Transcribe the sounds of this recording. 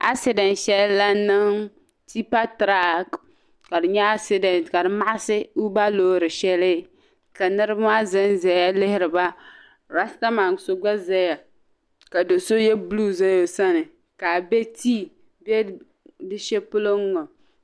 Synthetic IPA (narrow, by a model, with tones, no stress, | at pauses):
ʔa̰˦sɪ˦dɛ˨nʃɛ˦lːa˦nɨ˦ŋ | ti˦pa˦tɾa˦k | ka˨dɨ˨ɲɛ˦a˦sɪ˦dɛ˨ntka˨dɨ˨ma˦ʔa˦sɪ˦u˦ba˦loː˦ɾɨ˨ʃɛ˦lɪ˦ | ka˨nɨ˦ɾbmaː˦zɨ˦nzɛ˨˦ja˦lɪ˦hɪ˦ɾɨ˨ba˦ | ɾa˦sta˦ma˨ŋ˨so˦ɡ͡ba˦zɛ˦ja˨ | ka˨do˨so˦jɛ˦blu˦za˦jo˨sa˦nɨ˨ | ka˨bɛ˦tʰiː˦ | bɛ˦ | dɨ˦ʃɛ˦pʊ˦lo˦ŋ˦ŋɔ˨